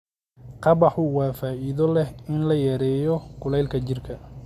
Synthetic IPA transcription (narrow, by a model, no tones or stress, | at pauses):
qɑβɑħʊwɑːfaːʔiðɔlɛhɪnlɐjɛːɾɛːjɔkʰʊlɛjlkʰɐt͡ʃɪrkʰɐ